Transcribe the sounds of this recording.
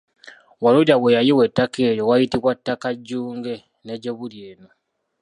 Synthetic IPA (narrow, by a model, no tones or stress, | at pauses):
waluɾawejajiwetːakʰe̞ːɾowajitiβwatːakaɟːuːŋɡe̞ | neɟeβulje̞ːno